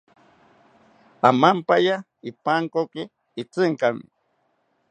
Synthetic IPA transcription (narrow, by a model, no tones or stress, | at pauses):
amampaja | ipaŋkokɪ | it͡sɨŋkamḭ